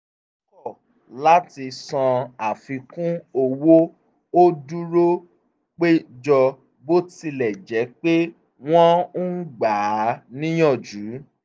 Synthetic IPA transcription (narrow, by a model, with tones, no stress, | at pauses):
ɔ˦kɔ˦˨ | la˨˦ti˧sã˧a˨fi˧kũ˦o˧wo˦ | o˦du˦ɾo˦ | k͡pe˦d͡ʒɔ˧ | bo˦ti˧lɛ˨d͡ʒɛ˨˦k͡pe˦ | w̃ɔ̃˦ɡ͡ba˨˦nĩ˦j̃ɔ̃˦˨d͡ʒu˨˦